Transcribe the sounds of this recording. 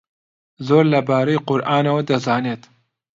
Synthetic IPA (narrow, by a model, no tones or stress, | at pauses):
zoːɾlɐbaːɾɐjqʊɾʔaːnɐwɐd̪ɐzaːneːt̪